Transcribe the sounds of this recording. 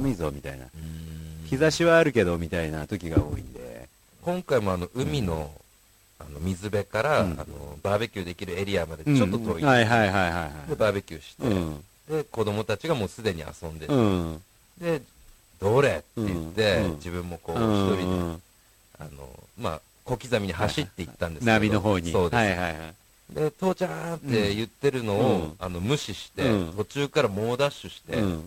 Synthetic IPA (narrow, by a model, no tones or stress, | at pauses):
mizomʲit̪aina̰ɯ̃çizaɕiβaːɾɯ̟ke̞d̪omʲit̪ainat̪o̞kʲiɡaoːḭ̃nd̪e̞̰ | kõ̞ŋkaimo̞ano̞ʔɯ̟mʲino̞ | ano̞mʲizɨbe̞kaɾaa̰no̞̰baːbekʲɨːd̪e̞kʲiɾɯ̟e̞ɾʲiamad̪e̞t͡ɕoːot̪oːiaiɦaiɦaiɦaiɦad̪e̞baːbekʲɨːɕi̥t̪e̞̰ | d̪e̞ko̞d̪o̞mo̞t̪at͡ɕiɡamo̞ːsɨd̪e̞ɲ̟ia̰sõ̞nd̪e̞ | d̪e̞ | d̪o̞ɾe̞t̪ːe̞jɯt̪ːe̞d͡ʑibɯ̟̃mːo̞ko̞ːçi̥t̪o̞bʲie | a̰no̞̰ma̰ | ko̞kʲizamʲiɲ̟ihaɕit̪ːe̞it̪ːãnd̪eɨnaemʲidnooːɲiso̞ːd̪esihai | d̪e̞t̪o̞ːt͡ɕant̪ːe̞jɯ̟t̪ːe̞ɾɯ̟no̞oano̞mɯ̟ɕiɕi̥t̪e̞̰t̪o̞t͡ɕɨːkaɾamo̞ːd̪aɕɨɕi̥t̪e̞̰